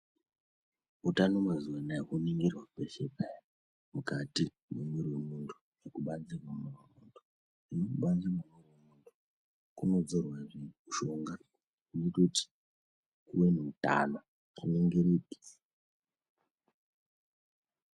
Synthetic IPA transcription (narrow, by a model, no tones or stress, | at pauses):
utanomazuanakuniŋɡirwaupeʃepa | mukati | memuɾiwemuntʰu̥ | nekuɓand͡zirwamuriwemuːntʰu̥ | inokuɓand͡zimemuriwemuntʰu̥ | kuno̞d͡zorwaʐiʃoŋɡa | netoti̥ | kuwenuuta̰na | kuneŋɡeɾeɗi̥